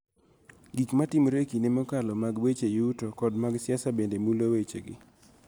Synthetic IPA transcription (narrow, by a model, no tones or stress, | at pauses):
ɡikmatɪmɾekinɪmɔkalɔmaɡwet͡ʃejutokɔdmaɡsjasabendemulowet͡ʃḛɡɪ̰